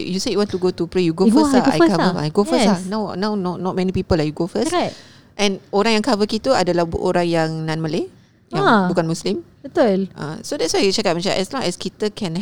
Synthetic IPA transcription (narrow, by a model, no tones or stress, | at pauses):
juseitwãntuɡot̪upɾejuɡofəaa̰jkavəːjɡofəsanãwnãwnɔnɔt̚mɛ̃nipipəlahjuɡofəs | ʔɛ̃noɾãŋjãŋkavəkit̪uadəlabṵʔoɾãŋjaŋnãnməle | jjãŋbukanmuslimbət̪ulʔã̰sodɛtswajut͡ʃakat̚mãt͡ʃãnʔɛslɔ̃ŋɛskit̪əkʰɛ̃n